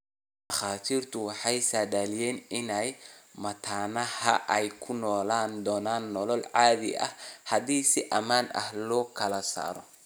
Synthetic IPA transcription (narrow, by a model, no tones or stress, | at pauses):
d̪ɐχaːt̪ʰiːrt̪ʰʊwɑħɑjsaːdaːlɪjɛːnɪnɛjmɐt̪ʰaːnɐhɐʔɛjkʰʊnɔːlaːnd̪ɔːnaːnːɔlɔlʕɑːðɪ̰ɐ̰hhɐdiːsɪʔɐmaːnɐ̰hlɔːkʰɐlɐsa̰ːɾɔ